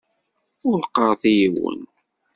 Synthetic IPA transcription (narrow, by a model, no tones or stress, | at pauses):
ʊɾqɑɾˤðijiwə̰n